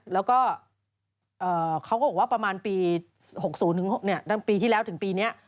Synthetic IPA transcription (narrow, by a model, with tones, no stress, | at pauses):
lɛː˦˥wkɔː˥˩ | ʔɤː˨˩kʰa˦˥wkɔ˥˩bɔː˨˩waː˥˩pɾa˧maː˧npiː˧ho˨˩k̚suː˩˦nt̪ɯ˩˦ŋho˨˩k̚ni˥˩ɐta˥˩piː˧t̪ʰi˥˩ɛ˦˥wt̪ʰɯ˩˦ŋpiː˧ni˦˥ɐʔ